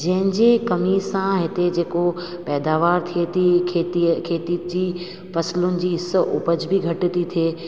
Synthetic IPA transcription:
d͡ʑɐ̃ɦɪ̃ɲd͡ʑekɐmisãɦɪt̪ed͡ʑeːko | pɛːd̪aːʋaːɾt̪ʰiet̪ikʰeːt̪ikʰeːt̪id͡ʑiː | fɐslʊnɪ̆d͡ʑiːɪsʔʊ̰pəd͡ʑbʱiɡʱɐʈ̆t̪it̪ʰeː

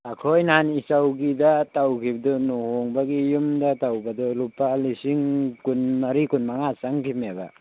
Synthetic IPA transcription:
akʰojnanisawɡidatawkʰibadunɔhɔŋbaɡijumdatawbadulupalisiŋkunmaɾikunmaŋasaŋkʰimeba̰

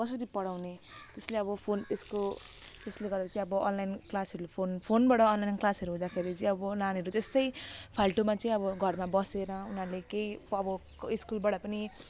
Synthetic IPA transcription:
kʌsʌɾipʌɽawne | t̪esleʌbʌpʰonesko | t̪esleɡʌɾeɾʌt͡saĩʌbʌʌnlajnklasɦʌɾupʰonpʰonbaɽʌːnlajnklasɦʌɾuɦũd̪akʰeɾit͡sʌĩʌbʌnanɦʌɾut̪est̪ʌjpʰalʈomat͡sʌĩʌbʌɡʱʌrmabʌseɾʌunʌɾlekejʌbʌ | iskulbaɽʌpʌni

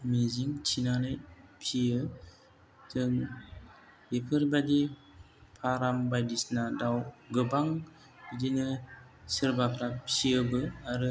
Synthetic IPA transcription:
miziŋt͡ʃʰinanɯjpʰiɯ | tʰɯŋ | epʰɯɾbadi | pʰaɾambajdisnadawɡɯbaŋ | dinɯ | sɯɾbakʰɾapiɯbɯaɾɯ

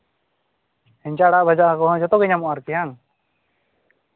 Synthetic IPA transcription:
hɛɲt͡ʃaɽaʔbad͡ʒaʔakɔɦɔ̃d͡ʒɔt̪ɔɡɛɲamɔʔaɾkɛjaŋ

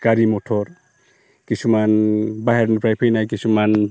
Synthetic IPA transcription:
kaɾimɔtʰɔɾ | kisumanbaɦaɾnipɾajpʰejnajkisuman

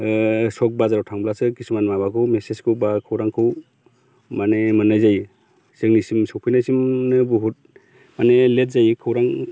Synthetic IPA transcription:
sɔk̚bazaɾawtʰaŋblasɯkisumanmabakʰɯwmesezkʰɯwbakʰɯwɾaŋkʰɯw | manemɯnajzaj | sɯŋnisimsɔwpʰɯjnajsimnɯbuɦut̚ | manelet̚zajkʰɯwɾaŋ

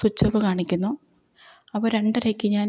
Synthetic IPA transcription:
sut͡ɕːɐʋɨkaːɳikʲːunːu | ɐpːɐɾe̞ɳɖɐɾekʲːɨɲaːn

